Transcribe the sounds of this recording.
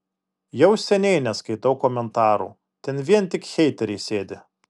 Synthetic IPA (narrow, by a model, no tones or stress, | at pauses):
jɛʊsʲɛnʲɛɪnʲɛskɐɪt̪ɐʊkoːmʲɛnt̪ɑːɾṵ | t̪ʲɛnʋʲiɛnt̪ʲɪkxʲɛɪt̪ʲɛɾʲɛɪsʲeːd̪ʲɪ